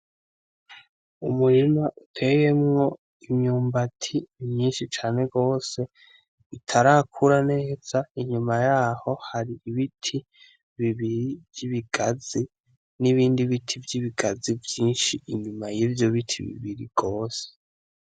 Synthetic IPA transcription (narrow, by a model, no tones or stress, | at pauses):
umuɾinaʔutʰe̞je̞mŋo̞ | imɲuːmbatʰimɲiːnʃit͡ʃaːne̞ɡo̞ːse̞ | βitʰaɾakʰuɾane̞ːz̥aiɲumajaːho̞haɾiiβitʰi | βiβiɾivjiβiɡ̥azi | niβiːndiβitʰivjiβiɡazivjiːnʃiinbimajivjo̞βitʰiβḭβiɾḭɡ̥o̞ːse̥